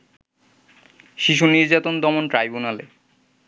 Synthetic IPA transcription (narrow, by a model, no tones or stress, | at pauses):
ʃiʃ̬uniɾd͡ʑat̪ond̪ɔmonʈɾajbunale